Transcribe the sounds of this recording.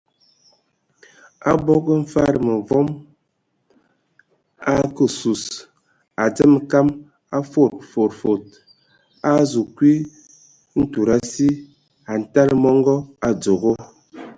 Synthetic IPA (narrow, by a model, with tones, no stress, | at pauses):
a̰˦bɔ˦ɡə˦m̩˦fa˦ɾə˨mə˨vɔ˦m | a˦kə˨su˨s | a˨d͡zə˦mka˦m | a˦fo˦˨t̚fo˨ɾfo˨t̚ | a˦zu˨kwi˦ | n̩˦tu˨ɾa˦si˦ | a˨n̩˨ta˦lmɔ˦ŋɡɔ˦a˨d͡zo˨ɣo˦